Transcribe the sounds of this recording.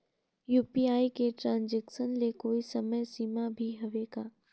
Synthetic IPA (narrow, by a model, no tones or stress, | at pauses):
juːpiaːikeʈɾãːnzɛkʃənlekoːisɐməjsiːmabʱiɦɐʋeːɡaː